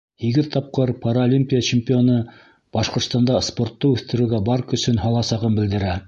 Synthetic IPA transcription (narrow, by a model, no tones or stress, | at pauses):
hiɡɘðt̪ɑp̚qɤɾpʰɑɾaolʲimʲpʲijat͡ɕɪmpʲɪo̞nɤ | b̥ɑʃqŏɾt̪st̪ɑnd̪ɑspo̞ɾt̪ːɤʉθt̪ɘ̆ɾɘ̆ɡæbɑɾkɵ̆sɵnɦɑlˠɑsɑʁɤnbɘ̆ld̪ɘ̆ɾæ